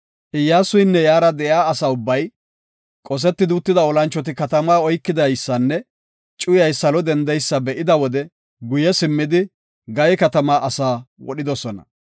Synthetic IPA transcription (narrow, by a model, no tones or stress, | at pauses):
ʔɪjːaːsʊjnːɛjaːɾɐd̪ɛʔjaːɐsaːʊbːɐj | kʼɔs̬ɛt̪ːɪd̪ʊt̪ːɪd̪ɐɔlɐnt͡ʃːɔt̪̬ɪkɐt̪ɐmaːɔjkːɪd̪ɐjsːɐnːɛ | t͡ʃʼʊjɐjsɐlɔd̪ɛnd̪ɛjsːɐbɛʔɪd̪ɐwɔd̪ɛ | ɡʊjɛsɪmːɪd̪ɪ | ɡɐjɛkɐt̪ɐmaːɐsaːwɔɗɪd̪ɔsɔnɐ̰